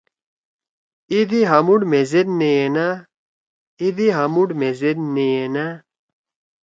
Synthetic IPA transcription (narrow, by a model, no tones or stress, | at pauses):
id̪iɦɐmuɖmezeɾneena | id̪iɦɐmuɖmezeɾneena